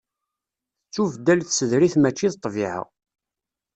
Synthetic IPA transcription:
t͡sːuvd̪ːælθsəðɾiθmæt͡ʃːiðt̪ˤːviʕə̰ʁ

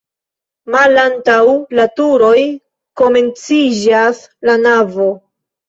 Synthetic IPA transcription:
malantawlatuɾo̞j | ko̞me̞nt͡sid͡ʒas | lanavo̞

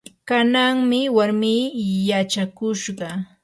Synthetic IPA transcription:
kanaŋmɪwaɾmiːjat͡ʃakʊʃɢɑ

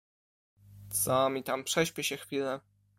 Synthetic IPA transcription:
t̪sɔmʲit̪ampʂɛɕpʲɛɕɛxfʲilɛ

